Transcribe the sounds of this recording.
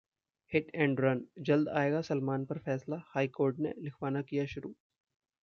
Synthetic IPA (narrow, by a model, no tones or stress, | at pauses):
hɪʈʰɛ̃ːɳɖɾɐnd͡ʒɐld̪a̰ːeːɡasɐlmaːnpɐɾfɛːslahaːikoːɾʈnḛlɪkʰʋaːnakijaʃʊɾuː